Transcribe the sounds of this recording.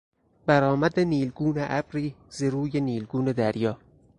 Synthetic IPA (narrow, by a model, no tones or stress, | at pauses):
bæɾɒːmæd̪eniːlɡuːneʔæbɾiːzeɾuːjeniːlɡuːned̪æɾjɒː